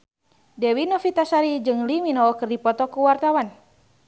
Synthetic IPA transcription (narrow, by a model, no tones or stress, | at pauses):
dɛwinɔfit̪asaɾid͡ʒɨŋliminɔɔkɨrdipɔt̪ɔkuwart̪awan